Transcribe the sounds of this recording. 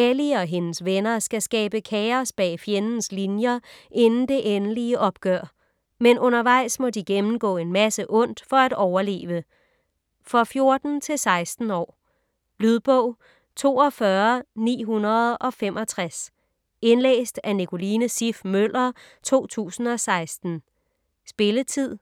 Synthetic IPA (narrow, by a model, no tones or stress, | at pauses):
eliɒ̽ɦe̝nəsʋenɐsɡ̥æsɡ̥ɛːb̥əkʰɛːɐsb̥ɛ̰ːfjenn̩slinjɐʔe̝nn̩d̥e̝ʔenəliəʔɒ̽b̥̚ɡ̥ɶɐ̰ | menʔɔ̽nɐʋɑ̈ɪ̰smɒ̽diɡ̥emn̩ɡ̥ɔ̰ːe̝nmæsəʔɔ̽n̰d̥fɒ̽æɾ̥ɒʊɐle̝̰ːʋə | fʁɒ̽fjo̝ɐd̥n̩t͡sʰe̝lsɑ̈ɪsd̥n̩ɒ̰ː | lyðˠb̥ɔʊ̰ | t͡sʰo̝̰ːɒ̽fɶɐnḭːɦunɐð̞̩ˠɒ̽femʔɒ̽t͡sʰʁas | e̝nlḛːsd̥ænikʰo̝liːnəsifmøl̰ɐt͡sʰo̝̰ːt͡sʰṵːsn̩ɒ̽sɑ̈ɪsd̥n̩ | sb̥e̝lət͡sʰið̰ˠ